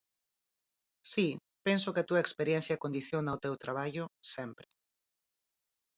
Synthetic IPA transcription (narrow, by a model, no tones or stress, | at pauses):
si | pensokɪat̪uɐekspeɾjɛ̃n̟θjɐkond̪iθjonaot̪ewt̪ɾaβ̞aʝʊsɛmpɾɪ̥